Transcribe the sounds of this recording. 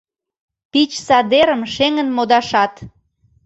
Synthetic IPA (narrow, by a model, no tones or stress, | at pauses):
pit͡ɕsɑd̪eɾəmʃeŋənmod̪ɑʃɑt̪